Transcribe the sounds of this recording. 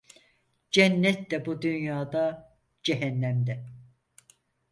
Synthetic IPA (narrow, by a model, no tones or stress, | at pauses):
d͡ʒænːɛt̪lɛbud̪ynjaːd̪ɑ | d͡ʒɛɦɛnːæmd̪ɛ